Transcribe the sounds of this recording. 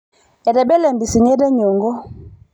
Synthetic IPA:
ɛ˨dɛ˨ɓɛ˦lɛ˨mbi˨si˨ɲɛ˦dɛ˦ɲɔ˨ŋɡɔ˦

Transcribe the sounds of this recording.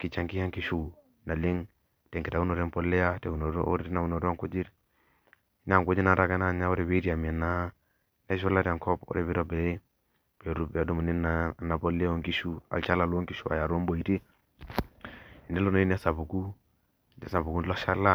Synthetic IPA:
ki˨t͡ʃa˦ŋki˦ja˦ŋki˦ʃu˦ | na˨li˦ŋ | te˨ŋki˨ta˨ɡu˦no˨ɾe˦mpo˦lːe˦ja˦te˨u˨no̰˨˦o̰˦ɾti˦na˨u˨no˨da˦ŋku˦d͡ʒi˦ɾ | i˦na˦˨ŋku˦d͡ʒi˦na˨ɾa˦ɡa˦na˦˨ɲa˦wo˦ɾe˨be˦ti˦a˨mi˨a˨nːa˦ | ne˦ʃo˦la˦ta˨ŋko˦po̰˦ɾe˨βi˦ɾo˦be˨˦ | pe˨ɾu˦bdu˦ma˨ni˦na˨nːa˨po˦lːe˦o˦ŋki˦ʃu˦a̰˨lt͡ʃa˦la˨lu˦o˦ŋki˦ʃu˦a̰˨ja˨ɾo˦mbo˨i˨ti˦ | i˨nde˦lo˦no˨i˦n˦a˦sa˨pu˨ku˦ | a˦sa˨bu˨ku˦nlo˦ʃa˦la˦

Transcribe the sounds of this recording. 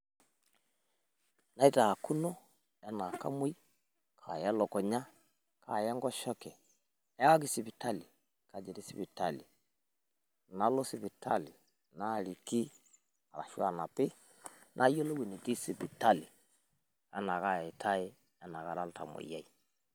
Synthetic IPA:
na˦i˦taː˨ku˦nɔ˦ | a˦na˨ka̰˦mo˦i˦ | kʰa˨ja˦lɔ˨kɔ˨ɲa˦ | kʰa˨jɛ˦ŋɡɔ˦ʃɔ˦kɛ˨˦ | a˦ka˦k̬i˦si˨bi˨ta˦li˨ | ka˨d͡ʒɛ˨ɾi˦si˦bi˨ta˦˨li˨ | na˨˦lɔ˦si˦˨bi˨ta̰˦li˨ | na˦˨li˨ki˦ | a˨ɾa̰˨ʃu˦a˨na˨pɪ˦ | nʔa˦jɔ˦lo˦wi˨ni˨ti˦si˨bi˨ta˦lɪ˨ | a˦na˨ka˦˨e˨tʰa˦e˦ | a˦na˨ka˨ɾa˦lta̰˨mʊ̰˨ja˦i˨

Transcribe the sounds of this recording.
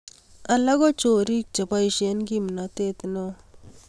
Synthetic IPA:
ala˦ɡo˦t͡ʃoɾi˦k̚t͡ʃa˨ba˦jʃe˦nɡimnat̪e˦t̪no

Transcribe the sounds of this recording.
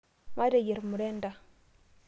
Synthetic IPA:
ma˦ɾe˨je˨ɾmu˨ɾe˦nda˦

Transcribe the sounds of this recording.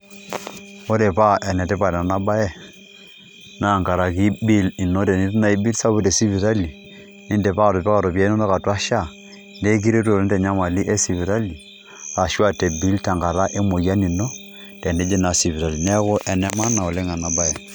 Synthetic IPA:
o˦ɾe˨pa˦ʔɛ˨nɛ˨te˦pa˨ɾa˨na˦ba˦jɛ˦ | na˦˨ŋka˨ɾa˨ki˦bi˦li˨no˦te˨ni˦tna˦i˦bi˦lsa˦bu˦te˨si˦βi˨ɾa˦li˨ | ni˦nde˨pa˦˨to˨pɛ˦ka˨ɾo˨pja˦no˦no˦ka˨twa˦ʃa˦˨ | nde˦k̬i˦ɾe˦to˨ln˦de˨ɲa˦ma˨li˦ʔe˦si˨βi˨ɾa˦li˨ | a˨ʃwa˦te˨bi˦lta˨ŋɡa˨ɾa˦ʔe˦mo˨ja˦ni˨no˦ | tɛ˨ne˦d͡ʒi˦na˨si˨bi˨ɾa˨li˨nɛ˦ko˦ʔɛ˨nɛ˦ma˦na˨o˨le˦ŋa˨na˨ba˦jɛ˨

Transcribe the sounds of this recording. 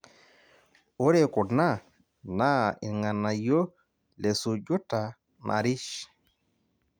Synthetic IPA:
o˦ɾe˨ku˨na˦˨ | na˦˨ḭ˨ŋa˨na˨jo˦ | le˨su˨ɟu˦ta˨ | nʔa̰˨ɾi˦ʃ

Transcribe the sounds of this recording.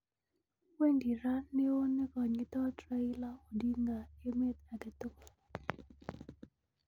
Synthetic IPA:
we˦ŋɡi˨ɾa˦nːe˦o˦nɪ˦kɔ˨ɲɪ˨˦t̪ɔ˦tɾa˦ɪ˦la˦o˨di˦ŋɡa˨e˦me˦t̪̚a˨kɛ˨t̪o˦˨

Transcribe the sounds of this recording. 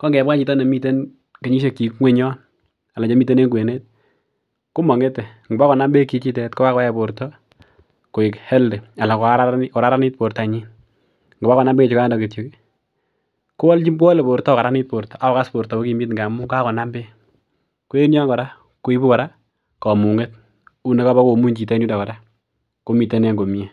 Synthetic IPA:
kɔ˦ŋɡɛ˨ba˦t͡ʃi˨tɔ˦ne˨mi˦te˦n | ke˨ɲi˦ʃe˨kːi˨kŋwe˦ɲɔ˦n | a˨la˨ɲe˨˦mi˦t̬e˦ne˦ŋɡe˨ne˦t̚ | ku˦mɔ˨ŋe˦te˨ | ŋɡba˦kɔ˨na˦mbe˦ki˨˦t͡ʃi˦tɛ˨tkɔ˦ka˦kɔ˦jɛ˦˨po˨ɾtɔ˦ | ko˨ɪ˨khɛ˦lde˨a˨la˨kɔ˨a˦ɾa˦kɔ˨ɾa˦ɾa˦ni˦t̚po˨ɾta˨ɲi˦n | ŋɡo˨ba˦kɔ˨na˦mbe˦e˨t͡ʃi˦ka˦ndɔ˨ke˨tjo˨˦ki˦ | ko˦wɔ˦lt͡ʃi˦ko˦wɔ˦le˨po˨ɾtɔ˦˨ka˨ɾa˦ni˦t̚po˨ɾtɔ˨ʔa˨wɔ˨ka˦spo˨ɾtɔ˨o˦ki˨˦mi˦t̬ŋɡa˨mu˦ŋɡa˦kɔ˨na˦mbe˦ | ko˦e˦njɔ˦ŋɡɔ˨da˦ | ko˨i˦bu˦kɔ˨ɾa˦ | kɔ˨mu˨ŋe˦t̚ | u˦ne˨˦ka˦bɔ˦ko˨mu˦ɲt͡ʃi˨tɛ˦nju˦da˨kɔ˨da˦ | ko˦mi˨te˦ne˦ŋɡo˨mi˨e˦

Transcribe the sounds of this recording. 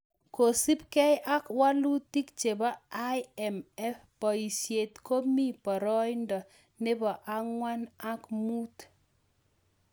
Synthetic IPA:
ko˨si˦p̚kɛ˦jʔa˦kwa˦lu˦ti˦kt͡ʃe˨ba˦a˦jɛ˨mɛ˦fpɔ˨i˨sje˨tko˦mi˦pɔ˨ɾɔ˦jndɔ˨ | ne˦bɔ˨ʔa˦ŋwa˦na˦kmu˦t

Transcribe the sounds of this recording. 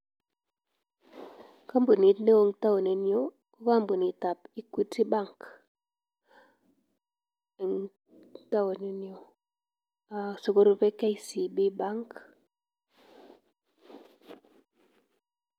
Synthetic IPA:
ka˦mbo˨ni˨tne˦o˦ŋta˦wo˨ne˨njo˦ | ko˦ka˦mbo˨ni˨ta˨pi˦kwi˦ti˦ba˦ŋk | e˨ŋ | ta˦wo˨ne˨njo˨ | a˨so˨ko˦ɾu˨pe˦ka˦i˦si˨bi˦ba˦ŋk

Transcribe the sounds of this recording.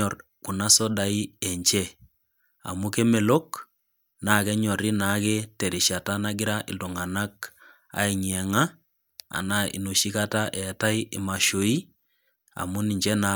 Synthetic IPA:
ɔ˨r | ku˨na˦sɔ˦da˨i˦ɛ˨ɲt͡ʃɛ˦ | a̰˨mu˦ke˦me˨lo˦k | na˨˦˨kɛ˦ɲɔ˨ɾi˦na˨˦kɛ˦te˨ɾi˨ʃa˨ta˦na˦ɡɪ˦ɾa˦ʔɪ̰˨do˨ŋa˨na˦k | a̰˨˦i˨ɲɛ˨ŋa˦ | a̰˨na˨ḭ˨no˨ʃi˦ka˦ta˦ʔɛ˨ta˦i˦ʔɪ̰˨ma˨ʃo˨i˦ | a̰˨mu˦ni˨ɲt͡ʃɛ˦na˨

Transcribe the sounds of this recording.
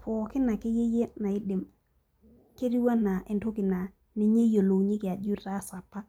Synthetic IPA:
pʰɔ˨ki˦na˨ki˦je˦je˦na˨i˦ɗi˨m | ke˦ɾi˦wa˦na˨ʔe˨nto˦ki˨na˨ | ni˨ɲe˦jo˨lo˨ɲi˦ki˨a˨d͡ʒu˦ɾta˦sa˨pːa˦

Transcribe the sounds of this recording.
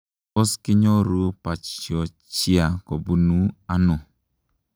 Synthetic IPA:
o˦skɪ˦ɲɔ˦ɾu˦pa˨t͡ʃjɔ˨ | t͡ʃi˦a˨ko˨bu˦nu˦a˦nʊ˨

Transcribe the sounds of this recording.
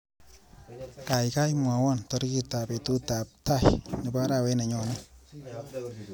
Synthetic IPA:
ka˨jka˦jmwa˨wɔ˦ntɔ˦ɾki˦ta˨pe˨tu˦ta˨p̚ta˦˨jnɪ˨ba˦ɾa˨we˦na˨ɲɔ˨na˦

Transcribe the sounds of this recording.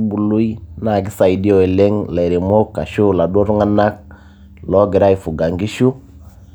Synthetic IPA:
bu˨lu˦i˦na˦˨ɡɪ˦sa˨i˨di˦o˨e˨le˦ŋla˨ɾe˨mo˦ka˨ʃu˦˨la˨do˦ɾʊ˦ŋa˦na˦k̚ | lɔ˦ɡɪ˨ɾa˦i˨fu˨ɡa˨ŋɡi˦ʃu˦

